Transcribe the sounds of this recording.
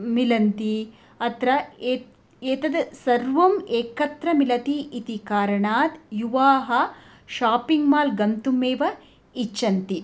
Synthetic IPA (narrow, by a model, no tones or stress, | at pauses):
milɐnt̪i | ɐt̪ɾɐe | eːt̪ɐd̪sɐɾʋɐmeːkɐt̪ɾɐmilɐt̪iːt̪ikaːɾɐɳaːt̪juʋaːɦɐ | ʃaːpiŋɡmaːlɡɐmt̪umeːʋɐ | it͡ʃːɐnt̪i